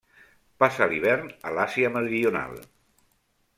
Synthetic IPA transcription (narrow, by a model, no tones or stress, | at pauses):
pasaliβ̞ɛɾnəlasiəməɾiuna̰lˠ